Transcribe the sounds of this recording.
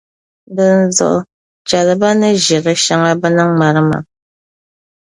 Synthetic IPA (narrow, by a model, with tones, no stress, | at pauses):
bɨ˦n̩˦zɔ̰˨ʔ | t͡ʃa˨lɨ˨ba˦nɨ˦ʒi˨ɣə˦ʃa˦ŋa˦bɨ˦na˦ŋ˦ŋ͡ma˨ɾɨ˦ma̰˨